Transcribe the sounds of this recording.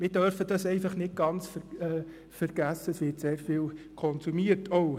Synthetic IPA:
mɪɾdœɾfədɑsɛɪfɑχnɪt̚ɡ̥ɑnt͡sfəɛ | fəɾɡ̥æsːəəsʋɪtseːɾfiːlkʰɔnsumiəɾtʰɔʊ

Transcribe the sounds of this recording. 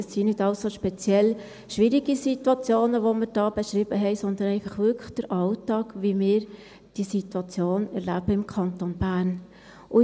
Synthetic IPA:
ɛsːinɪdɑʊsoʃpɛt͡sjɛl | ʃʋiɾiɡisit̪wɑt͡sjoːnəʋoməɾd̥ɑːb̥eʃɾɪb̥əɦɛɪsɔnd̪ənɛɪfɑχʋʏkʰəχd̥əɾʔɑltɑːkʋimɪːɾ | d̥isitwɑt͡sjoːnɛɾlæb̥əɪmkʰɑntonb̥æːɾn | ʔʊ

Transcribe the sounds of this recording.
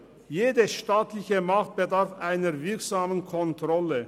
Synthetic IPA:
jeːdəʃtaːtlɪçəmaχt̚b̥ədaʁfʔaɪnəʁvɪɐkz̥aːmənkʰɔntʁ̥ɔlə

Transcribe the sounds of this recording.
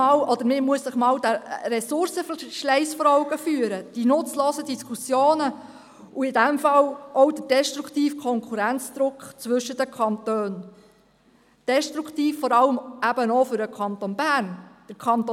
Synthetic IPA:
ɑːlʔɔd̪əɾmɪmuəsːɪχmɑːwd̥æɾɛsʊɾsəfʃlɛɪsfɔɾɔʊɡ̥əfyːəɾəd̥inʊt͡sloːsədiskʰusjoːnə | uɪdæmfɑlɔʊdəd̥ɛʃtɾuktiːfkʰɔŋkʰuɾænt͡sd̪̥ɾʊkχt͡sʋɵʃədəkʰɑnt̪øːn | d̥ɛʃtɾukʰt̪iːfːɔɾɑləmæb̥ənɔfʏɾəkʰɑnt̪onbæɾnd̥əɾkʰɑnt̪

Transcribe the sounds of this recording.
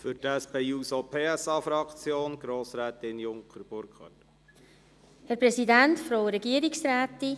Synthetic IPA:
fʏɾtæspeːuːsopʰeːɛsɑːfɾɑkt͡sjoːnɡ̥ɾoːsɾɛːt̪ɪnjʊŋkχəɾb̥ʊɾkχɑ̰t | hɛɾpɾɛsidæntfɾowɾɛɡiəɾiksɾæːt̪i

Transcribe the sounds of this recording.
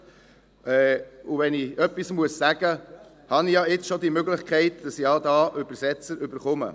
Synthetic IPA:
ʔɛːuvɛniœpːismuəssæɡ̥ə | hɑnijɑɪt͡sʃɔd̪imøɡlɪχkχɛɪtd̥ɑsiɑdɑːʔʏbəɾsɛt͡səɾʔʏbəɾχʊmə̰

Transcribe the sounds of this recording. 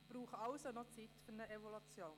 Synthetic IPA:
b̥ɾuːχəɑʊsonɔt͡sitfʏɾnəeʋolut͡sjoːn

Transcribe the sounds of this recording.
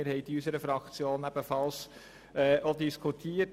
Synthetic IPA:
əɾhɛɪtiysəɾəfɾɑkt͡sjoːnæb̥əfɑls | ɛːʔod̪iskʰutʰiːət

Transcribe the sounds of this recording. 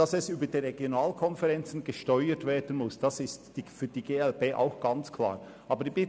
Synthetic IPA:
d̥ɑsɛsyːbədeʁɛɡjonaːlkʰɔnfɛʁɛnt͡sn̩ɡəʃtɔʏətveːɐd̥ən̩mʊsd̥ɑsɪstd̥ifyːɐd̥iːɡeːɛlbeːʔa̰ʊxɡ̥ɑnt͡skʰl̥a̰ːɾ | ʔɑːbədibɪ

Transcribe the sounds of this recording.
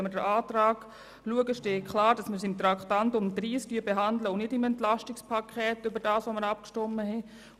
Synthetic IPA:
ɛmədəɾʔaːtɾaːɡ̥ | luəɡəʃteːkʰlaːɾd̥ɑsməsɪmt̪ɾɑktantʊmdɾiːskyːbeɦɑndləʊnɪdɪmɛntlaʃtɪkspʰakʰɛːtʏbəɾdaːsʋoməɾap̚kʃtɔmːəɦɛ

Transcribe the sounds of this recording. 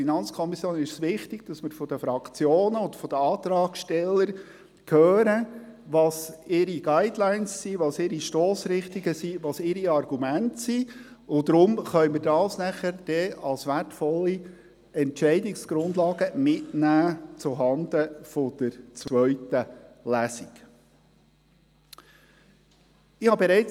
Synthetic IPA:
inɑnt͡skʰɔmisjoːnɪʃsʋɪχt̪ɪɡ̥̚d̥ɑsmɪɾfɔd̥əfɾɑkt͡sjoːnəʊd̥̪fɔd̥əɑːt̪ɾɑːɡ̥ʃtɛlːəɾ | kʰœːɾəʋɑːsɪɾiɡ̥aɪdlaɪnsːiːʋɑsɪɾiʃtoːsɾɪχt̪iɡəsiːʋɑsɪɾiɑrɡ̥umæntsiːʊd̥̪ɾʊmχœʏməɾdɑːsnæχəɾd̥ɛɑlsʋærtfɔlːi | ɛntt͡ʃɛɪdɪksɡ̥ɾʊnd̪lɑːɡəmɪtnæːt͡sʊɦɑnd̪əfɔd̪̥əɾt͡sʋʋœɥtəlæsik | ɪhɑbɛɾɛɪt͡s

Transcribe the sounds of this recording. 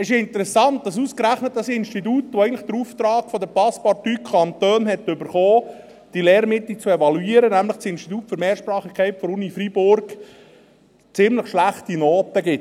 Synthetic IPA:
ɪʃɪnt̪əɾɛsɑnt̪̚d̥ɑs̬uskɾæχnət̚d̥ɑsɪnstit̬ut̪oɛɪɡntlɪχd̥̪əɾuft̪ɾɑːɡfɔd̪əpɑspɑɾtykʰχɑnt̪øːnɦɛtːʏbəɾχoː | d̥ileːɾmɪt̪lit͡suɛvɑluiːəɾənæmləχsɪnʃtit̪uːtfʏɾmeːɾʃpɾɑːχikʰχɛɪtfɔɾunifɾibʊrɡ | t͡sɪmləχʃlæχt̪inoːt̪əɡɪt

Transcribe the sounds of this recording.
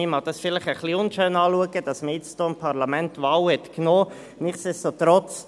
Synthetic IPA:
imɑd̥̪ɑsfɪlɪχəχliʊnʃøːnɑːluəɡəd̥ɑsməjɪt͡sd̥oːɪmpʰɑʁlɑmɛntvaːwhɛtknoː | nɪχsessot̪ɾɔt͡s

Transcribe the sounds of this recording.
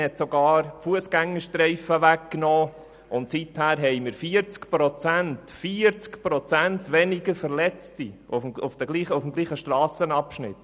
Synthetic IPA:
hɛt̪sɔɡɑːɾfuəsɡ̥æŋːəʃtɾɛɪfəʋækknɔː | ʊnt̪sithæːɾɦɛɪmɪɾfiːəɾt͡skpɾɔt͡sænt̪fiːəɾt͡skpɾɔt͡sæntʋɛnɪɡəɾfəɾlɛt͡stiufmufd̥̪əɡ̥liːχəufmɡliːχəʃtɾɑːsənɑpʃnɪ̰t

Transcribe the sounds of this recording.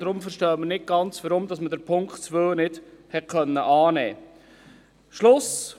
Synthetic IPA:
dɾʊmfəɾʃtœːmənɪt̚ɡ̥ɑnt͡sʋəɾʊmdɑsmədəɾpʰʊŋktt͡sʋønɪdhɛt̚kʰœnːəʔɑːnɛː | ʃlʊs

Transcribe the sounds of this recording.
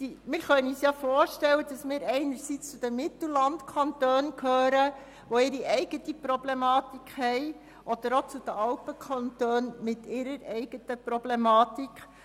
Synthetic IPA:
dimɪːɾχœniːsjɑfoːɾʃtɛlːəd̥ɑsmɪːɾɛɪnəɾsit͡st͡sʊd̥əmɪt̪l̩lɑntkʰɑntøːnkhøːɾə | ʋoɪɾiʔɛɪɡ̥ətiprɔblemɑːtikχhɛɪ | ʔɔd̥̪əɾot͡sʊd̥̪əɑlpəkʰɑntøːnmɪtɪɾəɾɛɪɡ̥ətəprɔblemɑːt̪ikχ

